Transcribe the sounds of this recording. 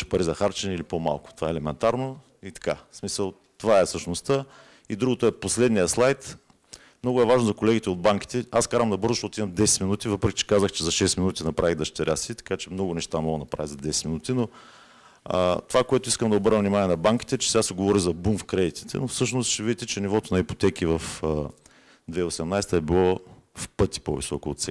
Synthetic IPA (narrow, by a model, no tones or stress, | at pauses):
ʃɛ̥pɐɾizɐxaɾt͡ʃɛnɛilipoma̰lˠkʊ̥t̪ovaɛlɛmɛnt̪aɾno | it̪ɐ̥ka̰smisəlˠ | t̪ovaɛfsɤʃnost̪ə | id̪ɾuɡot̪oɛposlɛd̪nijəslˠajt̪ | mnɔɡʊɛvaʒnozɐkolɛɡʲit̪ɛod̪̚baŋki̥t̪ɛaskaɾvɐmd̪ɐbɤɾzʊʃt̪ɔt̪imɐmd̪ɛsɛ̥t̪minut̪ivɤpɾɛk̟it͡ʃɛ̥kazəxt͡ʃɛzɐʃɛsminut̪inɐpɾaviɣd̪ɐʃt̪ɛɾʲʔasit̪ɐ̥kat͡ʃɛmnɔɡʊnɛʃt̪amɔɡ̪nɐpɾa̰vizɐd̪ɛsɛ̥t̪minut̪ino | t̪ovakoɛt̪ʊiskəmd̪ɐobɤɾnəvnimaniɛnɐbaŋki̥t̪ɛt͡ʃɛ̥sɛɡasɛɡovɔɾizɐbumfkɾɛd̪it̪i̥t̪ɛ̰nofsɤʃnost̪ʃɛvid̪it̪ɛt͡ʃɛnivɔt̪onɐipo̥t̪ɛk̟ivɐf | d̪vɛiosɛmnajsɛt̪əɛbilˠɔfpɤt̪i̥po̰vḭsɔ̰koo̰t̪sɛ̰